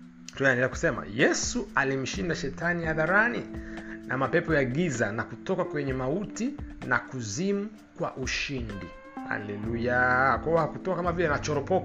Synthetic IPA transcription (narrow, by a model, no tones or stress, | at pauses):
tunaɛndɛlɛaku̥sɛma̰jɛsualim̩ʃindaʃɛtanihaðaɾanḭnamapɛpɔjaɠizanakutɔkakwɛɲɛmautinakuzimu | kwa̰ʔuʃindi | ha̰lɛlujakwaɔhakutɔkakamavilɛnat͡ʃɔɾɔpɔka